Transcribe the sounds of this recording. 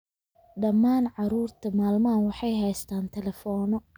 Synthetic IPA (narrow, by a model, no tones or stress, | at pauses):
ɖɐmːaːnʕɑɾuːrt̪ʰɐmaːlmaːnwɑħɑjɦɛjst̪ʰaːnt̪ʰɛlɛfɔːnɔ